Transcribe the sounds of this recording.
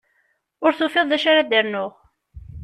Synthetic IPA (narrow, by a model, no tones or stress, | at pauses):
ʊɾθufɪðˤðæʃaɾad̪əɾnʊʁ